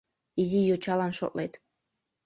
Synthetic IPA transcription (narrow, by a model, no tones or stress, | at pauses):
izijot͡ɕɑlɑnʃo̰t̪let̪